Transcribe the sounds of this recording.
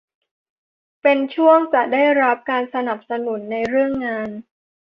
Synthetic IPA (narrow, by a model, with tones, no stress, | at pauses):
pe˧nt͡ɕʰu˥˩əŋt͡ɕa˨˩ʔdaː˥˩jɾa˦˥p̚kaː˧nsa˧na˨˩p̚sa˧nu˩˦nːa˧jɾɯ˥˩əŋːaː˧n